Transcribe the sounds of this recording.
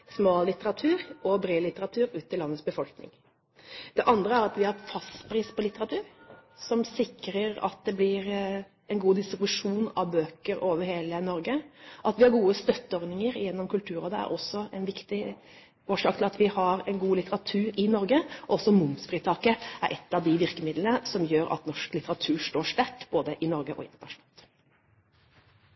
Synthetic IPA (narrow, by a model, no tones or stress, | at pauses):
smɑːllːɪt̪əɾɑt̪ʰʉːɾɔbɾeːlɪt̪əɾɑt̪ʰʉːɾʉːt̪ːɪlɑnːət̪sbəfɔlknɪ̰ŋ | d̪̥ɛʔɑnd̪ɾəæɾɑt̪ʋɪhɑɾfɑst̪pɾiːspʰɔlɪt̪ːəɾɑt̪ʰʉːɾsɔmsɪkɾəɾɑ̰t̪̚d̪ɛblɪɾ | ɛnɡuːd̪ɪst̪ɾɪbʉʂuːnɑ̰ʋbøːkəɾoːʋəɾheːlənɔɾɡəʔɑt̪ʋɪhɑɾɡuːəst̪œt̪ːəɔɾnɪŋəɾjɛnːɔmkʰʉlt̪ʰʉːɾɔd̪ɛæ̰ɾʔɔsːɔɛnʋɪkt̪ɪ | oːʂɑːkt̪ɪlɑt̪ʋɪhɑɾɛɪnɡuːlɪt̪əɾɑt̪ʰʉːɾɪnɔɾɡəʔɔɔsɔmʊmsfɾiːt̪ʰɑːkəæ̰ɾʔɛ̰t̪ːɑʋd̪ɪʋɪɾkəmɪd̪lənəsɔmjøːɾɑ̰t̪nɔʂklɪt̪əɾɑt̪ʰʉːɾʂʈoːʂt̪æʈːb̥oːd̪əʔɪnɔɾɡəʔɔ̰ɪ̰nənɑʂʊn̩ɑlt̪